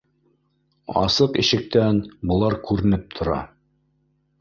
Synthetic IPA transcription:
ɑ̰sɤqḭ̆ɕɘ̆k̚t̪ænbŏlˠɑɾkʉɾɘ̆nɘp̚t̪ʰŏɾɑ̰

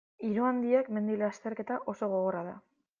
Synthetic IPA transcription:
iɾuand̪iekme̞nd̪ileast̪e̞ɾke̞t̪aʔo̞so̞ɣ̞o̞ɣo̞raða

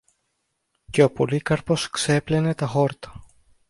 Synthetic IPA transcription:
ce̞o̞po̞likɐɾpo̞skse̞plene̞t̪ɐxo̞ɾt̪ɐ̥

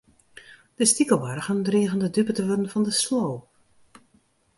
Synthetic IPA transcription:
d̥əstikəlˠʋarəχəndriːɣəndədypətəʋødənvɔndəsloː

